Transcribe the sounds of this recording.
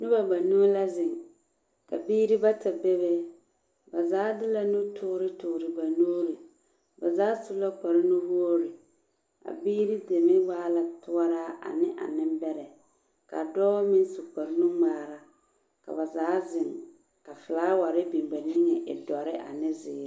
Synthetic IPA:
nʊ˦ba˨ɡ͡ba˨no˦la˦zɪ˨ŋ | ka̰˨biː˦ɾi˦ba˦ta˨be˦βe˦ | ba˨zaː˨˦dɪ˦la˨nʊ˦tʰʊː˦ɾɪ˦tʊː˨ɾɪ˨ba˨noː˦ɾɪ˨ | ba˨zaː˨˦sʊ˦la˦k͡pa˨ɾɪ˦nʊ˦bu˦o˦ɾɪ˨ | a̰˨biː˦ɾi˦de˨mɪ˦waː˦la˨tʊ˦a˦ɾaː˦ʔa̰˨nɪ˦ʔa̰˨nɪ˦mbɛ˦ɾɛ˨ | ka̰˨dɔː˦mɪ˦n˦su˨k͡pa˨ɾɪ˦nʊ˦ŋ͡maː˨ɾa˦ | ka̰˨ba˨zaː˨˦zɪ˨ŋ | ka˨fɪ˨laː˦wa˨ɾɪ˦bi˨mba˨nɪ˦ŋɛ˨ʔɪ˨dɔ˨ɾɪ˦ʔa̰˨nɪ˦zɪː˨˦ɾɪ˦

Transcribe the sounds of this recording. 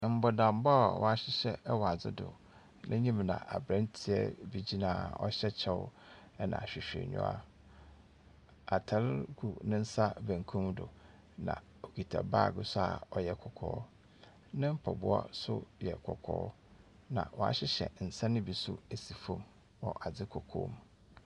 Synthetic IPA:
m̩˦bɔ˨dã˨mba˦˨wʔɔ˨a˨ɕɪ˦ɕɛ˨˦wɔ˨a˨d͡zɪ̰˦dʊ̰˨ | nʔɪ̃˦ɲĩ˦mnã̰˨ʔa˨bɾã˦ntʰɪ˨ɛ˦bi˨d͡ʑi˦nãː˨ɔ̰˦ɕɛ˦t͡ɕʰɛ˦wʊ̰˦ | ɛ˦nã̰˨ɕᶣɪ˨ɕᶣḛ˨ɲʊ̰̃˦a̰˦ | a˨tʰa˨˦ɾɡu˨nɪ̃˦n̩˦sa˦bæ̃˨ŋkʰũ˦mdʊ̰˨ | nã̰˨ | o˨ki˨tʰa̰˨baː˦˨ɡʊ˦sʊ˦a̰˨ɔ˨jɛ˦kʰɔ˨kʰɔː˦ | nɪ̃˦m̩˦pʰɔ˨bʊ˦a̰˦sʊ˦jɛ˨kʰɔ˨kʰɔ̰ː˦ | nã̰˨wʔɔ˨a̰˨ɕɪ˦ɕɛ̰˨n̩˨sã˦nɪ̃˦bi˨sʊ˦æ˨si˨fõ˦m | wɔ˨ʔa˨d͡zɪ˦kʰɔ˨kʰo̰ː˦m

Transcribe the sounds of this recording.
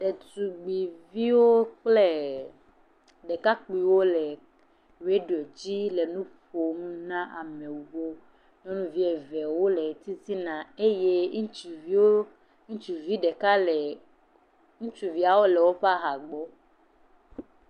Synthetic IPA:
ɖe˨tu˨ɡ͡bi˨vi˦wo˦k͡plɛ˦ | ɖɛ˨ka˦k͡pi˨wo˦lɛ˨ | ɾe˦ɖo˨d͡ʑi˦lɛ˨nũ˦ɸo˨mũ˦nã˦ʔa˨mẽ˨wu˨wo˦ | ɲɔ̃˦nũ˦vi˦ɛ˨vɛ˨wo˦le˨t̪i˦si˦nã˨e˦je˦˨˦o˦ | ŋũ˦t͡ʃu˨vi˦ɖɛ˨ka˦˨ | ŋũ˦t͡ʃu˨vi˦a˨wo˦lɛ˨wo˦ɸa˦ɦa˨ɡ͡bɔ˦

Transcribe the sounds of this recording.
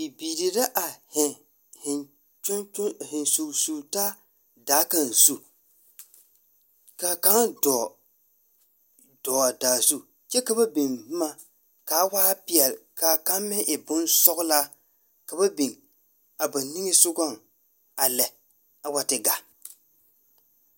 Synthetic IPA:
ɪ˨biː˨ɾi˨ɾa˦ʔa˨hɪ˨ | hɪ˨n | t͡ʃʊ˦n˦hɪ˨nsu˨su˨taː˦ | daː˨˦ka˦n˨zu˦ | ka˨ka˦ŋdɔ˨ | d̥ɔː˨a˨daː˨zu˦ | t͡ʃɛ˦ka˨ba˦bi˨ŋ˦ma˦ | ka˨˦waː˦pɪ˨ɛ˨lka˨ka˦mmɪ˦ʔɪ˨bʊ˦nsɔ˦ɣʊ˦la˦ | ka˨ba˦bi˨ŋ | a˨ba˨ni˦ŋɪ˦sʊ˦ɡa˦˨ŋ | a˨lɛ˨ | a˨wa˦tɪ˨ɡa˨

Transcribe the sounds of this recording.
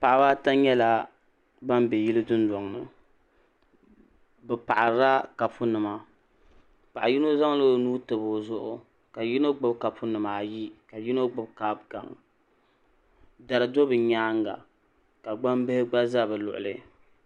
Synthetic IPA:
pa˨ʔa˨ba˦ta˦ɲɛ˦la˦ | ba˦mbɛ˨ji˦lɨ˦dʊ˦n˦dɔ˨ŋ˨nɨ̰˨ | bɛ˨pa˨ʔa˨ɾa˦ka˨pʰʊ˦nɨ˨ma˨ | pa˨ʔa˨ji˦no˦za˦ŋ˦lo˦nuː˦tɨ˨bo˨zʊ˦ʔʊ˦ | ka˨ji˦no˦ɡ͡bɨ˦bka˨pʰʊ˦nɨ˨ma˨ji˦ka˨ji˦no˦ɡ͡bɨ˦bka˨bɡa̰˨ŋ | da˨ɾɨ˨do˦bɨ˨ɲaː˦ŋ˦ɡa̰˨ | ka˨ɡ͡ba˦mbɛ˦hɪ˦ɡ͡ba˦za˦˨bɨ˨lʊ̰˨ʔʊ̰˨lɨ̰˨

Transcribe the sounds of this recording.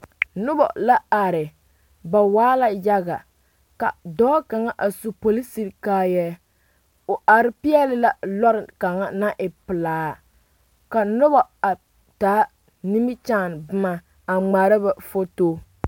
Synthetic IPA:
nʊ˦ba̰˨la˦a˨ɾɪ˨ | ba˨waː˦la˦ja˦ɣa˨ | ka̰˨dɔː˦ka˨ŋa˦ʔa˨su˨po˨li˦si˦ɾkaː˦jɛ˦ | o˨ʔa˨ɾɪ˦pi˦ɛ˦lɪ˦la˨lɔ˦ɾɪ˨ka˨ŋa˦na˦ʔɪ˨pɨ˨laː˨˦ | ka˨nʊ˦ba˨a˨ | taː˨˦ | ni˦mɪ˦t͡ʃaː˦˨n˨bɨ˦ma˨ | a˨ŋ͡ma˨ɾa˦ba˨fo˦toː˦

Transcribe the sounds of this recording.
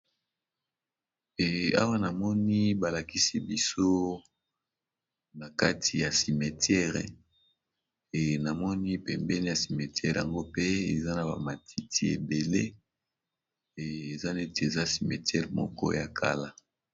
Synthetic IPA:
ɛ˨a̰˦wa˦na˨mɔ˦ni˦ba˨la˨ki˦si˦bi˦so˦ | na˨ka˦tʰi˨ja˨si˨me˨tjɛ˦ʁɛ̰˨ | na˨mɔ˦ni˦pɛ˨mbɛ˦ni˦ja˨si˨mɛ˨tjɛ˦ʁja˨ŋɡo˦pe˦e˨za˦na˨ba̰˨ma˨tʰi˦tʰi˦ḛ˨be˨le˦ | e˨e˨za˦ne˦te˨e˨za˦si˨mɛ˨tjɛ˦ʁmɔ̰˦kɔ̰˦ja˨kʰa̰˦la˦

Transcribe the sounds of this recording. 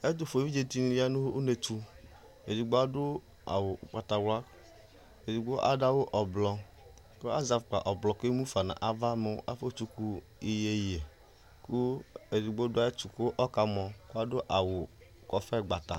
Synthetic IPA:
e˦d̪o˨fo˨vi˦d͡ʒe˨t̪i˦nĩ˦li˦a˦nũ˦wʔu˦ne˨tu˦ | e˨di˨ɡ͡bo˦a˦do˦ | a̰˨wo˨k͡pa˨t̪a˨wla˦ | e˨di˨ɡ͡bo˦ʔa̰˨da˦wo˦ʔɔ˨blɔ˨ | ko˦a˦za˨fk͡pa̰˨ʔɔ˨blɔ˨ke˦mũ˦fa˨nã̰˨ʔa˨va˦me˨wo˦ʔa˦fo˦t͡ʃu˦ku˦ | i˨je˨je˨ | ku˦e˨di˨ɡ͡bo˦dʊ˦a˦e˦t͡ʃu˨ko˦wo˦ʔɔ˦ka˨mɔ̃˨ku˦a˦do˦ʔa˨wo˨ | kɔ˨fɛ˦ɡ͡ba˨t̪a̰˨

